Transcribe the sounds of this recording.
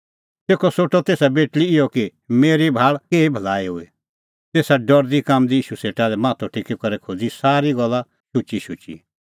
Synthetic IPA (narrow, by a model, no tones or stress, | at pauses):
t̪eːkɔsoʈɔt̪eːsabeːʈliɪjɔkimeːɾibʱaːɭkeːibʱɐlaːiɦʊe | t̪eːsaɖɔɾd̪ikamd̪iiːʃuseːʈalɛmãːt̪ʰɔʈʰɪkikɐɾɛkʰoːd͡zisaːɾiɡɔlːa | ʃʊt͡ʃiʃʊt͡ʃḭ